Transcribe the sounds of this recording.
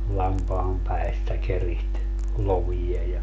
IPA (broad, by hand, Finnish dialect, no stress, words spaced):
lɑmpɑːm pæistæ keriht loʋijɑ jɑ